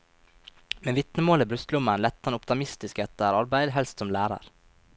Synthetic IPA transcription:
meːʋɪt̪nəmoːliːbɾʉst̪lʊmənlɛt̪ːɑnʊpt̪ɑmɪst̪ɪskɛt̪əɾɑɾbæɪd̪ɦɛlst̪sɔmlæːɾɑ̰ɾ

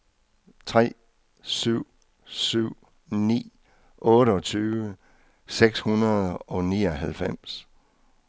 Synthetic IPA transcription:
t͡sʰʁɛ̰ː | syʊ̰ | syʊ̰ | nḭː | ʔɔ̽ːɾəɒ̽t͡sʰyːʋə | seɡ̥shunɐð̩ˠɒ̽niːɒɦælfem̰s

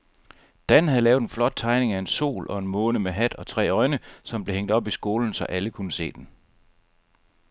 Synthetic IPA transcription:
d̥ænhæðˠlɛːʊðˠenflɒ̽d̥̚t͡sʰɑ̈ɪne̝ŋæe̝nso̝̰ːlʔɒ̽e̝nmɔ̽ːnəmeɦæd̥ɒ̽t͡sʰʁɛ̰ːɒ̽ɪnəsɒ̽mb̥le̝heŋ̰d̥ɒ̽b̥isɡ̥o̝ːln̩sɒ̽ʔæləkʰunəse̝̰ːd̥en

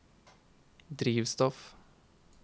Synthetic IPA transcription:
d̪ɾiːʋst̪ɔf

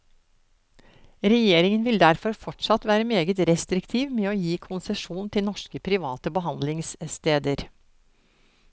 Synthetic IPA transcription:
ɾɛjeːɾɪŋənʋɪld̪æɾfɔɾfɔʈʂɑt̪ʋæːɾəmeːɡət̪ɾɛst̪ɾɪkt̪ʰiːʋmeːoːjiːkʰʊnsɛʂuːnnt̪ʰɪlnɔʂkəpʰɾɪʋɑːt̪əbəɦɑnd̪lɪŋsst̪eːd̪əɾ

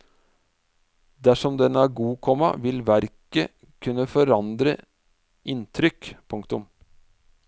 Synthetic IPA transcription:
d̪æʂɔmd̪ɛnːəæːɾɡuːkʰɔmːɑ̰ʋɪlʋæɾkə | kʰʉnːəfɔɾɑnd̪ɾə̰ | ʔɪnt̪ʰɾʏkpʰʊŋkt̪ʊm

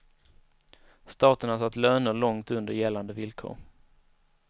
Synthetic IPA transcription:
st̪ɑːt̪əɳasat̪ːløːnəɭɔŋt̪ɵnd̪əɾjɛlːand̪əvɪlkʰo̰ːɾ

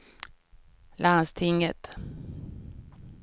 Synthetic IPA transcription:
lʔanst̪ʰɪŋːət̪

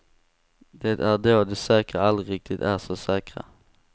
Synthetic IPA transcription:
d̪eːt̪æɖoːd̪ʉsɛːkʁaalɾɪk̚t̪ʰɪt̪æɾsoːsɛːkɾa̰

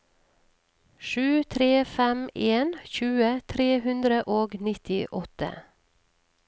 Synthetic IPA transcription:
ʃʉːt̪ʰɾeːfɛmeːnçʉːət̪ʰɾeːhʉnd̪ɾəʔoːɡnɪt̪ɪʔɔt̪ə̰

